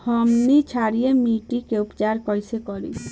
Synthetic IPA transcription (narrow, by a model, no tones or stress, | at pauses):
hɔmnit͡ʃʰaɾijemiʈikeupt͡ʃaɾkɔjsekɔɾi